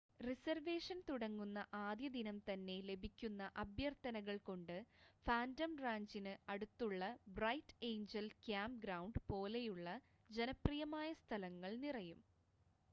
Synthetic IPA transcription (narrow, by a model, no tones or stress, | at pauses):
risɐrʋe̞ːʂɐnt̪uɽɐŋːunːɐʔaːd̪jɐd̪inɐmt̪ɐnːe̞le̞bʱikʲːunːɐʔɐbʱjɐrt̪ɐnɐɣɐɭko̞ɳɖɨfaːndɐmraːɲd͡ʑinɨɐɽut̪ːuɭːɐbrɐjtejɲd͡ʑɐlkjaːmpɡɾɐwɳɖpo̞ːle̞juɭːɐ | d͡ʑe̞nɐprijɐmaːjɐst̪ʰɐlɐŋːɐɭnirɐjum